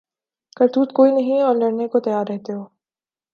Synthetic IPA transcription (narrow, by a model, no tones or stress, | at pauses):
kɐɾt̪uːt̪koːinɐɦĩɔːɾlɐɽnekot̪ɐjaːɾːɛɦt̪eɦoː